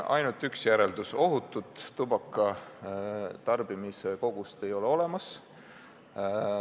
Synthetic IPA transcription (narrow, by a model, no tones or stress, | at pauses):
ʔɑ̰jnult̪ːˑyksjæɾe̞ld̪̥uso̞ɦut̪ːˑut̪ːubɑkːˑɑ | t̪ɑrb̥imise̞ko̞ɡ̥ust̪e̞jo̞leo̞le̞mɑs